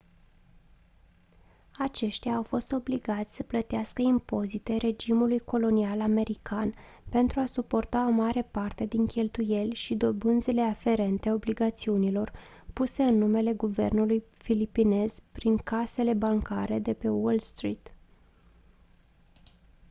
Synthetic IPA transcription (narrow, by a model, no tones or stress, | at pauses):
at͡ʃe̞ʃt̪ijaːwfo̞st̪o̞bliɡat̪sʲsə̥plət̪easkəimpo̞zit̪e̞ɾʔe̞d͡ʒimulujko̞lo̞nialame̞ɾikan | pe̞nt̪ɾuasupo̞rt̪aomaɾe̞part̪e̞d̪iŋkʲe̞lt̪uje̞lʲʃid̪o̞bɨnd̪zile̞afe̞ɾe̞nt̪e̞o̞bliɡat̪siunilo̞r | puse̞ɨnːume̞le̞ɡuve̞̰rnulujfilipine̞z̥pɾiŋkase̞le̞baŋkaɾe̞d̪e̞pe̞wolst̪ɾit̪